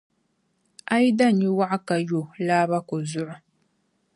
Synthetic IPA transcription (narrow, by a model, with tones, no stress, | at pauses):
ʔa˦ji˦da˦˨ɲi˦wa˦ʔa˦ka˨jo˨laː˦ba˦ko˨zʊ˦ʔʊ˦